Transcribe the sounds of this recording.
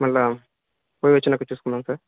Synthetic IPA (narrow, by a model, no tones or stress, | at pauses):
mɐlːa | poːjʋɐt͡ʃːinɐkːɐt͡ʃuːsu̥kunːaːmsaːɾ